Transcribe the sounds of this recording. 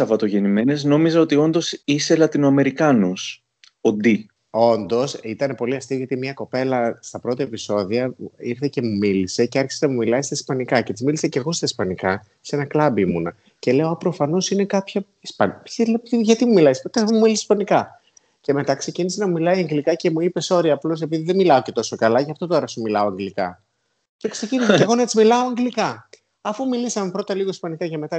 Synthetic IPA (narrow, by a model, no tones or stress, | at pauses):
ɐvɐt̪o̞ʝe̞nime̞ne̞zno̞mizɐo̞t̪io̞nd̪o̞sise̞lɐt̪inoɐme̞ɾikɐnus | od̪i | o̞nd̪o̞sit̪ɐne̞po̞liɐst̪ioʝɐt̪imɲɐko̞pe̞lɐst̪ɐpɾo̞t̪iepiso̞ðiɐiɾθece̞mumilise̞ceɐɾçi̥senɐmumilɐist̪ɐispɐnikɐce̞t̪izmilise̞ceɾɣost̪ɐispɐnikɐ | se̞nɐklɐbimunɐ | ce̞le̞oɐpɾo̞fɐno̞sine̞kɐpçɐ | ispɐnsilepiʝɐt̪imumilɐispot̪sumumilisi̥spɐnikɐ | ce̞me̞t̪ɐkse̞cinisenɐmumilɐiɐŋɡlikɐce̞muipe̞so̞ɾiɐːplo̞s̬e̞piðiðemilɐo̞ce̞t̪o̞so̞kɐlɐʝɐft̪o̞t̪o̞ɾɐsumilɐoɐŋɡlikɐ̰ | cekse̞ciniseteɣonet̪izmilɐoɐŋɡlikɐ | ɐfumilisɐme̞pɾo̞t̪ɐliɣo̞ispɐnikɐceme̞t̪ɐ